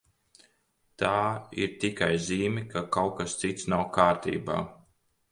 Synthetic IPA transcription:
t̪aːḭɾt̪ikajziːmʲikakawkast̪sit̪snawkaːɾt̪ḭːba̰ː

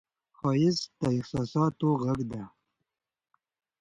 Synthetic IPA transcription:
xɑjɪzt̪aɪxsɑːsɑt̪oɣaɡd̪a

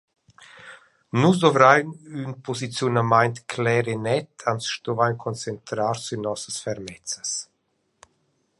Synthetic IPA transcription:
nus̬d̪ɔvɾajnynpʰɔzit͡sjunamajnt̪kʰlɛɾenɛt̪ansʃt̪ɔvajnkʰɔnt͡sɛnt̪ɾaɾsynɔsəsfɛɾmɛt͡səs

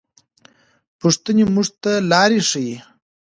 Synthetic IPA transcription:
puʂt̪ənemuʐt̪alɑɾiʂiji

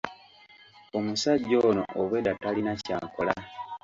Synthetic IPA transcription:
o̞musaɟːo̞ːno̰ʔoβwedatalinacaːko̞̰la

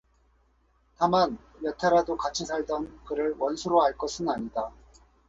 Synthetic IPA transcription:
taman | jʌtʰeaɾadokat͡ɕʰisʰaɭdʌnkɯɾɯɭwʌnsʰuɾoɦaɭk͈ʌsʰɯnaɲida

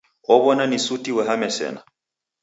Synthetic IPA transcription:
ɔβɔnanisutiwɛɦamɛsɛ̰na̰

